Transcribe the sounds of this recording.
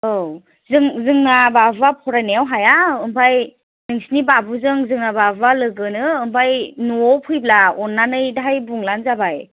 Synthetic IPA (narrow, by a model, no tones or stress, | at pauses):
ɯw | zɯŋzɯŋnababapʰɔɾanejawɦajaɯmpʰaj | nɯŋsnibabuzɯŋzɯŋnababalɯɡɯnɯːmpʰajnuɔpʰɯjblaɔnːanɯjdaɦajbuŋlanzabaj